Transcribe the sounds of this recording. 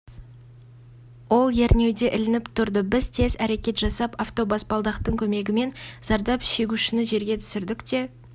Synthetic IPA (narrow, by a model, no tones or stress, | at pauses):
wo̞lˠje̞ɾne̞wd̪e̞ʔɪlɪnɪpt̪ʰʊɾd̪əbɪzt̪ʰe̞zæɾe̞kʲe̞t̪ʒ̥ɑsɑpaft̪o̞bɑsbɑlˠd̪ɑqt̪əɴkʲʰɵme̞ɡʲɪme̞nz̥ɑɾd̪ɑpʃe̞ɡʲuʃɪnɪʒe̞ɾɡʲe̞t̪ʰʏ̥sɪɾd̪ɪkt̪e̞